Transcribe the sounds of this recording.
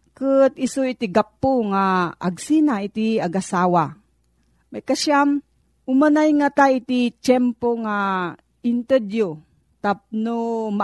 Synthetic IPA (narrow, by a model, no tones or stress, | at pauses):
kɨt̪isoit̪iɡapːoŋaaɡsinait̪iaɡasawa | majkaʃam | ʊmanajŋat̪ait̪it͡ʃɛmpoŋa | ɪnt̪ɛd̪jo | t̪ap̚noma